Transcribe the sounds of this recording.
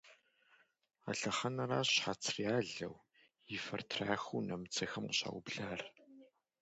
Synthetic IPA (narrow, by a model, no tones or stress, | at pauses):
a̰ɬɐχɐnɐraːɕħat͡sʰriaːɮɐ̰w | jɪfɐrtʰraːxuːnɐmɨt͡sʰɐxɐmɕa̰ːwbɮaːr